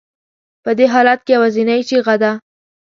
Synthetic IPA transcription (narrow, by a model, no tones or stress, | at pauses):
pəd̪eɦɑlat̪̚kejawazinajt͡ʃeɣad̪a